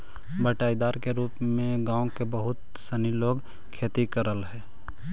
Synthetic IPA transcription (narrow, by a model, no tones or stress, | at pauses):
bəʈaːid̪aːɾkeɾuːpmẽɡãːõkebəɦʊt̪ | səniloːɡ | kʰeːt̪ikəɾəlɦɛː